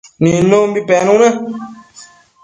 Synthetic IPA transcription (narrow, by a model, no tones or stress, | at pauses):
ninõmbipɛnũnɛ